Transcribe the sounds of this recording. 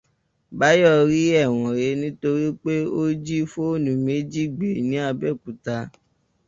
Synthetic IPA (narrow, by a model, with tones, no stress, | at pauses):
ba˨˦jɔ˦˨ɾi˦ɛ˦˨w̃ɔ̃˨ɾe˨˦nĩ˦to˧ɾi˦k͡pe˦o˦d͡ʒi˦fo˦o˦˨nũ˨me˨˦d͡ʒi˦˨ɡ͡be˨nĩ˨˦a˧bɛ˦˨ku˨ta˧